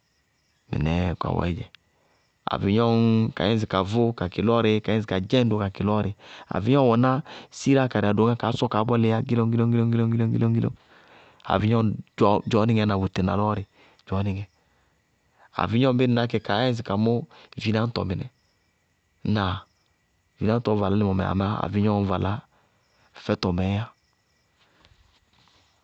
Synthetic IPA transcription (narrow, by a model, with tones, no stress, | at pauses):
mḭ˨nɛ˨ka̰˨wɔ̰˨i˦d͡ʒɛ˨ | a̰˨vi˨ɲɔ˦nka̰˨˦ɛ̃˦zi˨ka˨vo˦ka˨ki˨lɔ˦ɾe˦ka˨˦ɛ̃˦zi˨ka˨d͡ʒɛ˦do˦ka˨ki˨lɔ˦ɾi˨a̰˨vi˨˦ɲ˦ɔ˦wɔ˨na˦si˦ɾa˦˨ka˨ɾa˨do˨˦ŋa˦ka˨˦sɔ˦ka˨˦bɔ˦le˨ja˦ɡi˦lɔ˦ŋ˦ɡi˦lɔ˦ɡi˦lɔ˦ŋ˦ɡi˦lɔ˦ɡi˦lɔ˦ŋ˦ɡi˦lɔ˦ŋ˦ɡi˦lo̰˦ | a̰˨vi˨ɲɔ˦d͡ʒɔ˦d͡ʒɔ˨˦ni˦ŋɛ˨˦na˨wu˨te˨na̰˨lɔ˦ɾi˨ | d͡ʒɔ˨˦ni˨ŋɛ˨ | a̰˨vi˦ɲɔ˦m˦bi˦n˨na˨˦k̬ɛ˨ka˨˦ɛ˦zi˨ka˨mɔ˦˨vi˦na˦n˦tɔ̰˨mi˨nɛ̰˨˦ | na˨ | vi˨˦a˦tɔ˨va˨la˨˦li˦˨mɔ˨mɛ̰˨a̰˨ma˦a̰˨vi˦ɲɔ˦˨va˨la˦ | fɛ˦tɔ˨mɛ˨˦ja˦